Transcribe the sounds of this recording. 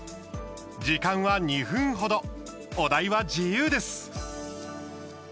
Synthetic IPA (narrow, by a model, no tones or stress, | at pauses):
d͡ʑikãɰ̃βaɲ̟ihɯ̟̃ɰ̃ɦo̞d̪o̞ | od̪aiβad͡ʑijɯːd̪e̞sɨ̥